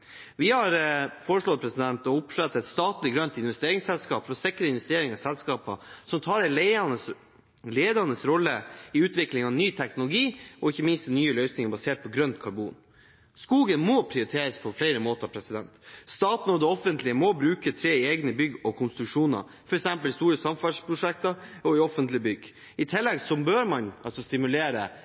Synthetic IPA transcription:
ʋɪhɑɾfoːɾəʂɭɔpʰɾɛsɪd̪ɛnt̪ɔʊpʂɭɛt̪ːɛt̪st̪ɑːt̪lɪɡɾœnt̪ɪnʋɛst̪eːɾɪŋsɛlskɑːpfɔɾɔsɪkəɾəɪnʋɛst̪eːɾɪŋəsɛlskɑːpɑsɔmt̪ʰɑːɾɛlnə | leːd̪ɑnəsɾɔlːəɪʉːt̪ʋɪklɪŋɑʋnyːt̪ʰɛknʊlʊɡiːɔɪçːəmɪnst̪nyːəlœʏsnɪŋəbɑseːʈ̚pʰɔɡɾœnt̪kʰɑɾbṵːn | skuːɡənmɔpʰɾɪʊɾɪt̪ʰeːɾəspʰɔflɛɪɾəmoːt̪ɑpʰɾɛsɪd̪ɛnt̪st̪ɑːt̪nɔd̪ɛɔfənt̪lɪəmɔbɾʉːkət̪ʰɾeːeːɡnəbʏɡːɔkʰʊnst̪ɾʉʂuːnɑ̰ | fɔɾɛksɛmpəlɪst̪uːɾəsɑmfɑʂpʰɾʊʂɛkt̪ɑɔɪɔfənt̪lɪbʏɡ | ɪt̪ʰɪlːɛɡsɔbøːɾmɑnʔɑlsɔst̪ɪmʉleːɾə

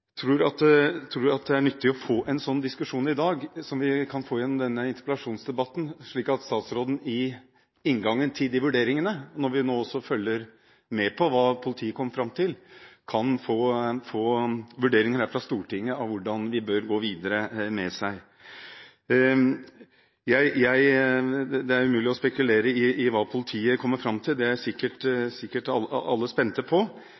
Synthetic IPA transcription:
t̪ʰɾuːɾɑt̪t̪ʰɾuːɾɑt̪̚d̪ɛæɳʏt̪ʰːɪɔfoːʔɛnsɔnːd̪ɪskʉʂuːnɪd̪ɑːɡsɔmʋɪkʰɑnfoːjɛnːɔmd̪ɛnːəɪnt̪ə̥pəlɑʂuːnsd̪ɛbɑt̪ːn̩ʂɭiːkɑt̪st̪ɑːt̪sɾoːd̪n̩ɪ | ɪnŋɡɑŋːənt̪ʰɪd̪ɪʋʉɖeːɾɪŋənəɔnɔɾʋɪnoːɔsːɔfœlːəɾ | mɛpʰɔʋɑːpʰʊlɪt̪ʰiːəkʰɔmːəɾfɾɑmːt̪ʰɪlkʰɑnfoːfoːʋʉɖeːɾɪŋəd̪æfɾɑst̪uːʈɪŋːəɑʋʊɖɑnʋɪbøɾɡoːʋiːd̪əɾəmɛsæɪ | jæɪjæɪ | d̪ɛæɾʉmʉːlɪɔspɛkʉleːɾəɪʔɪʋɑːpʰʊlət̪ʰiːəkʰɔmːəɾfɾɑmt̪ʰɪld̪ɛæɾsɪkːəʈsɪkːəʈɑɑ̰lːəspɛnt̪əpʰɔ

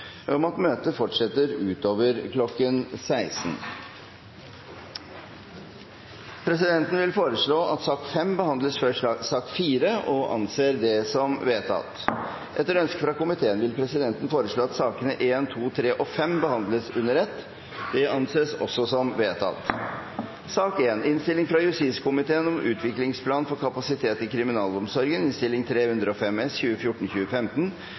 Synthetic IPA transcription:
ɔmɑt̪møːt̪əfɔʈʂɛt̪ːəɾʉːt̪oːʋəɾkʰlɔkːənsæɪsn | pʰɾɛsɪd̪ɛnt̪n̩ʋɪlfoːɾəʂɭoːʔɑt̪sɑːkfɛmbəhɑnd̪ləsføsɑːkfiːɾəɔʔɑ̰nseːɾd̪ɛsɔmʋeːt̪ʰɑ̰t̪ | ʔɛt̪ːəɾœnskəfɾɑkʊmɪt̪ʰeːənʋɪlpʰɾɛsɪd̪ɛnt̪n̩foːɾəʂɭoːɑt̪sɑːkənəʔeːnt̪ʰuːt̪ʰɾeːʔɔfɛmbəhɑnd̪ləsʉnːəɾɛt̪ː | d̪̥ɛɑnseːsɔ̰sːɔsɔmʋeːt̪ʰɑ̰t̪ | sɑːkeːnɪnst̪ɪlɪŋfɾɑjʉst̪iːskʊmɪt̪ʰeːənɔmʔʉ̰ːt̪ʰʋɪklɪŋspʰlɑːnfɔɾkʰɑpɑsɪt̪ʰeːt̪ɪkʰɾɪmɪnɑːlɔmsɔɾɡənɪnst̪ɪlːɪŋt̪ʰɾeːhʉnd̪ɾəɔfɛmɛsçʉːəfjʊʈːɳ̩çʉːəfɛmt̪ən̩

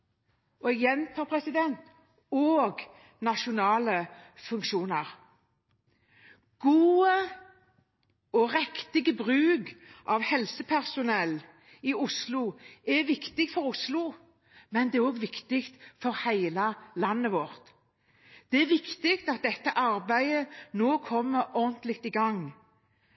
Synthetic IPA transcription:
ɔɛɡjɛnt̪ʰɑpʰɾɛsɪd̪ɛnt̪ | oːɡ | nɑʃʊnɑːləfʉŋkʃuːnəʁ | ɡ̥uːə | ɔʁɛkt̪ɪɡəbʁʉːɡʔɑʋhɛlsəpʰæʁsʊnɛlː | ɪʊslʊɛʋɪkt̪ɪɡfɔɾʊslʊ | mɛnd̪ɛæʁoːɡʋɪkt̪ɪkt̪fɔɾhæɪləlɑnːəʋɔʁt̪ | d̪̥ɛɛʋɪkt̪ɪkt̪ɑt̪̚d̪ɛt̪ːəʔɑɾbæɪənoːkʰɔmːəɾɔʁnt̪lɪkt̪ɪɡɑŋ

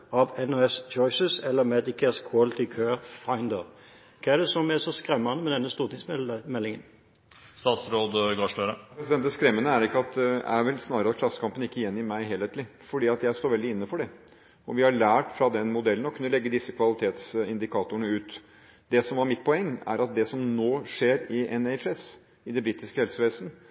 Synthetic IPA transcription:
ɑʋɛnoɛst͡ʃɔɪsəsɛlːəmɛd̪ɪkʰəskʰɑlt̪ɪkʰøfaɪnd̪əɾ | kʰɑːæɖ̪ɛsɔmæsɔskɾɛmːɑnəmɛd̪ɛnːəst̪uːʁt̪ɪŋsmɛlːɪŋən | st̪ɑːt̪sɾoːd̪ɡɑʂløɾəpɾɛsɪd̪ɛnt̪əskɾɛmːənəæɾɪkːəɑt̪̚d̪ɛæɾʋɛlsnɑːɾəɾɑtkʰlɑsːə̥kʰɑmpənɪkːəjɛnːɪmæɪɦeːlheːt̪lɪfɔɖiːɑt̪jæɪst̪oːɾʋɛld̪ɪɪnːəfɔɖɛ | ɔʋɪhɑɭæːʈfɾɑd̪ɛnmʊd̪ɛlən̩ɔkʰʉnːəlɛɡːəd̪ɪsːəkʰʋɑlɪt̪ʰeːt̪sɪnd̪ɪkʰɑːt̪ʊəɳəʉːt̪ | d̪ɛsɔmʋɑɾmɪt̪̚pʰɔɛŋːæ̰ɾɑt̪̚d̪ɛsɔmnoːʂeːɾɪʔɛnɛɪt͡ʃɛs | ɪd̪ɛbɾɪt̪ːɪskəhɛlsəʋeːsnə

